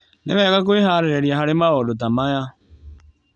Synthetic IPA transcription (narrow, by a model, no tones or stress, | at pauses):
nḛβɛɣak̬oeɦaɾeɾɛɾjaɦaɾemaɣɔdot̬amaja